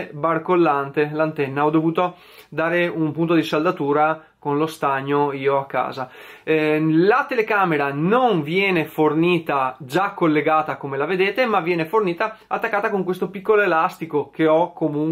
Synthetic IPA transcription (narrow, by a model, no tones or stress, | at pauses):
barkolːant̪elant̪ɛnːaɔd̪ovuːt̪o | d̪aːɾeumpunt̪̬od̪isald̪at̪uːɾa | konlost̪aɲːoiːoakːa̰ːza | lat̪elekaːmeɾanoɱvjɛːneforniːt̪ad͡ʒakːolːeɡaːt̪akomelaved̪eːt̪emavjɛːneforniːt̪aat̪ːakːaːt̪akoŋkwest̪opikːoloelast̪ikokeɔkːomuŋ